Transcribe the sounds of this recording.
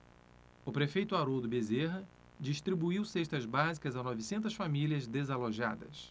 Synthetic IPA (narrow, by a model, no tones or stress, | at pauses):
ʊpɾefejt̪ʊaɾod̪ʊbezeɦɐ | d͡ʒiʃt̪ɾibuiwseʃt̪ɐzbazikɐzanɔvisẽnt̪ɐsfamiliɐzd̪ezaloʒa̰d̪ɐ̰s